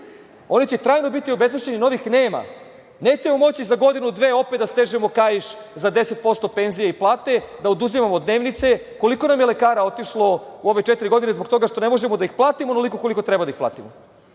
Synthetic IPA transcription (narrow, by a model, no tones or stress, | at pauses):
o̞nit͡ɕet̪ɾaːjno̞bit̪io̞be̞zmeʃt͡ɕenino̞ʋixne̞ːma̰ | neːt͡ɕe̞momo̞t͡ɕizaɡo̞d̪inud̪ʋeːo̞pet̪d̪ast̪e̞ːʒemo̞kajiʃ | zad̪e̞se̞t̪̚po̞st̪o̞pe̞nzijeiplˠaːt̪e̞d̪aod̪uzimamod̪ne̞ːʋnit̪se̞ | ko̞liko̞namjele̞kaːɾao̞t̪iʃlˠo̞uo̞ʋe̞t͡ʂet̪iɾiɡo̞d̪inezbo̞k̚t̪o̞ɡaʃt̪o̞nemo̞ʒemo̞d̪aixplˠaːt̪imonolikokoliko̞t̪ɾɛbad̪aixpla̰ːt̪imo